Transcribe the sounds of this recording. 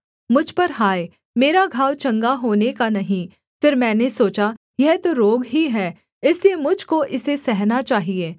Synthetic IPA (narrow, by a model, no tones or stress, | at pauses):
mʊd͡ʒʱpɐɾɦaːe | meːɾaɡʱaːwt͡ʃɐ̃ŋɡaɦoːnekanɐɦĩ | fɪɾmɛ̃ːnesoːt͡ʃa | jɛɦt̪oɾoːɡɦiɦɛː | ɪsliemʊd͡ʒʱkoʔɪsesɛɦnat͡ʃaːɦieː